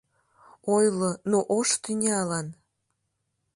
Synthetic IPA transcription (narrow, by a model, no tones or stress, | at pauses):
ojlonoʔoʃt̪ynʲeɑlɑn